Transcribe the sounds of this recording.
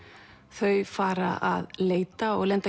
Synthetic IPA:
θœɥfaːɾa̰ʔa̰ðleːjt̪aɔɣlɛnt̪a

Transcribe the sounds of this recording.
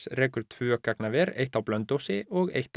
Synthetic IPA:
rɛːkʏɾ̥t̪ʰvʏœkaknavɛɾejht̪awplœnt̪owsɪɔɣḛjht̪

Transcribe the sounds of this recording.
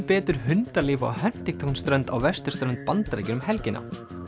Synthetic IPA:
pɛːt̪ʏɾ̥hʏnt̪alɪːva̰whɛn̥t̪iŋt̪ʰɔnst̪ɾœnt̪a̰wvɛst̪ʏ̥st̪ɾœnt̪̚pant̪aɾejcʏnʏmhɛlcɪna̰

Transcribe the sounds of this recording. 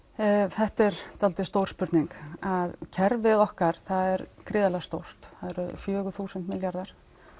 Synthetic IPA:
θɛht̪ɛɾ̥t̪ʰalt̪ɪst̪owɾspʏɾt̪niŋkaðcʰɛɾvɪðɔhkaɾ̥θaðɛɾkʰɾɪːðalɛɣast̪owr̥t̪θaðɛɾʏfjœːɣʏθuːsɛnt̪mɪljaɾðaɾ̥

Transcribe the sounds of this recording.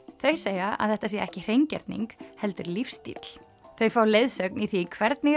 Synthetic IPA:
θœɥseːjaa̰ðθɛht̪asjɛɛhcɪr̥ejɲcɛ̰ɾt̪nḭŋkhɛlt̪ʏɾlifst̪ḭt̪l̥ | θœɥfawlejðsœkniθikʰvɛɾt̪nɪ

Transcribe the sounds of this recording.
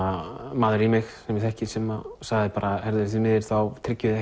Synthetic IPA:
amaːðʏɾimɪxsɛmjɛθɛhcɪsɛmasaɣðɪpaːɾahɛɾðʏθ̬ɪmɪːðɪɾ̥θawt̪ʰɾɪcːʏðɪɛ

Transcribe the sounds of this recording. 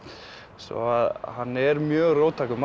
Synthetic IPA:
sɔ̰aðhanːɛɾmjœːɣroːwt̪ʰaːkʏma

